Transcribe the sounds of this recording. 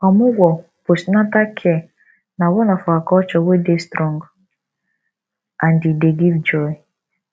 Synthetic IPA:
ɔmʊwɔ | posnatakʰɛ | nawɔnafɔakɔt͡ʃɔwedestɾɔŋɡ | andideɡivd͡ʒɔi

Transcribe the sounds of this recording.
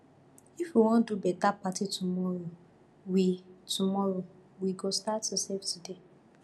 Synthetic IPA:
ifwiwɔ̃ndubɛtapatitumɔɹo | witumɔɹowiɡostatːuseftude

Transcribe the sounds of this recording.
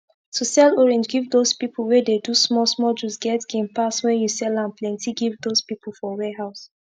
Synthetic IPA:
tʰusɛlɔɹɛ̃nd͡ʒɡivdozpipʰlˠwɛdedusmɔsmɔd͡ʒusɡɛtɡ̥ẽmpaswɛ̃njusɛlãnplɛ̃ntʰiɡivdozpip̩ˠfɔwɛɦaʊs

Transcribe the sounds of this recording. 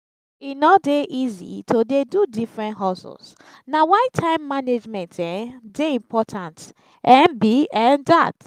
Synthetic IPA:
inɔdeʔizḭtʰodedudifɹɛ̃ntɦɔsṵs | nawaɪtʰãɪ̃mːaned͡ʒmɛ̃ntɛ̃deĩmpʰɔtʰãnt | ɛ̃nbiɛ̃nda̰t

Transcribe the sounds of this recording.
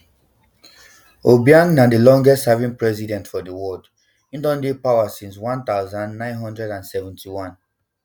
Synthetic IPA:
obiãnːadəlɔ̃ŋɡɛstsavĩnpɹɛzidɛ̃ntfɔdəwɔd | ĩndɔ̃ndepawasĩnswãnt̪aʊzãnːãɪ̃nɦɔ̃ndɹɛdãnsɛvɛ̃ntʰiwãn

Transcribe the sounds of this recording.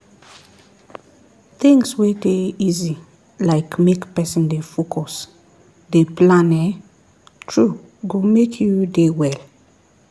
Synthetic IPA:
θĩŋswɛdeizi | laɪkmekpɛsɔ̃ndefokʰɔs | deplãnɛ | tʰɹu | ɡumekʰjudewɛl

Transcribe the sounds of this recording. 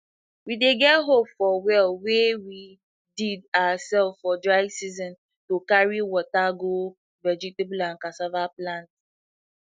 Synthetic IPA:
wideɡɛtɦopfɔwɛlwewi | didaasɛlffɔdɹaɪɡsizɔ̃n | tokaɹiwɔtaɡo | vɛd͡ʒitebulãnkasavaplãnt

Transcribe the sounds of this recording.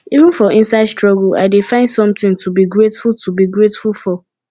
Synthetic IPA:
ivũnfɔɪ̃nsaɪdstɹɔɡəla̰ɪdefãɪ̃ndsɔ̃mtɪ̃ŋtʰubiɡɹetfultʰubiɡɹetfulfɔ

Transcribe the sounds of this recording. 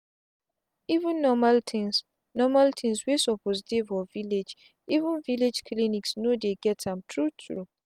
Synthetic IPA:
ivũnːɔmaltʰĩns | nɔmaltʰĩŋswesɔpɔztevɔviled͡ʒ | ivũnviled͡ʒkliniksnodeɡɛtãmtʰɹutʰɹṵ

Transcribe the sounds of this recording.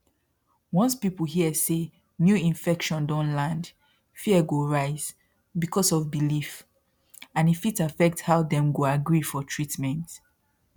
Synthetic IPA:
wɔ̃nspipəl̩ˠhiəse | njuĩɱfɛkʃɔ̃ndɔ̃nlãnd | fiəɡoɹaɪz̥ | bikʰɔsɔvbilif | ãnitfitafɛk̚thaʊðɛ̃mɡoaɡɹifɔtʰɹitmɛ̃nt

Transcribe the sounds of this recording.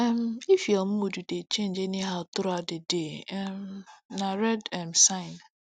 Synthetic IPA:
ɛmifjɔm̩modudet͡ʃẽnd͡ʒeniɦaʊtʊɾadedeɛmnaɾɛdɛm̩sãɪn

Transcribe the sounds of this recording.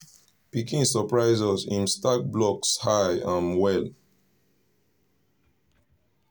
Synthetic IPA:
pikĩnsəpɹaɪzəsĩnstak̚blɔkshajãnwɛl

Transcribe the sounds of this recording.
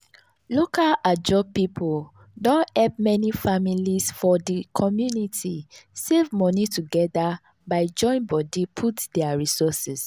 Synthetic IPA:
lokalad͡ʒɔb̚pipʰol | dõnɛlp̚mɛnifamilisfɔdikʰɔmjunitʰisevmɔnituɡɛda | baɪd͡ʒɔ̃ɪ̃nbɔdipʰutdɛaɹisɔsɛs

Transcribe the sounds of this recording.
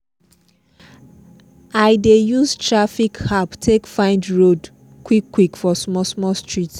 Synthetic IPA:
aɪdejuztɹafikhaptʰekfãɪ̃ndɹod | kwikːwikfɔsmɔsmɔstɹit

